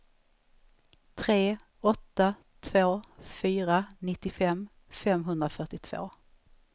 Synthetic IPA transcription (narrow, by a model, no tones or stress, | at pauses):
t̪ʰɾeː | ɔt̪ːa | t̪ʰvoːfyːɾanɪt̪ːɪfɛmː | fɛmɦɵnd̪ɾafœʈɪt̪ʰv̥o̰ː